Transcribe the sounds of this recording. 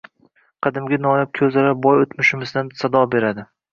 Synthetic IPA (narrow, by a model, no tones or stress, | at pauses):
qʰɨd̪ɪmɡʲanɒjap̚kʲʰɵzalabɒjot̪mʊʃɪmɪzd̪ansad̪ɒbe̞ɾad̪ɪ